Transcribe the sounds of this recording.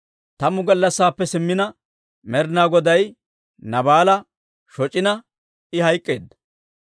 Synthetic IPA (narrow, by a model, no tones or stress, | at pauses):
t̪ɐmʊɡɐlːɐsːaːpːɛsɪmːɪnɐ | mɛɾɪnaːɡɔd̪ɐj | nɐbaːlɐ | ʃɔt͡ʃʼːɪnɐ | ɪhɐjkʼːe̞ːd̪ːɐ̥